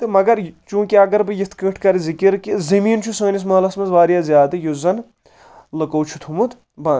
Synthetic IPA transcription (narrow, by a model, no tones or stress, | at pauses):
t̪ɨmɐɡɐɾt͡ʃũːkiɐɡɐɾbɨjit̪ʰkəːʈʰkɐɾizikiɾkizɐmiːnt͡ʃʰusɐːnis̬mɐɦlɐsmɐzʋaːɾjaːzʲjaːd̪ɨjozɐn | lɐkɐwt͡ʃʰu̥t̪ʰumut̪ | bãː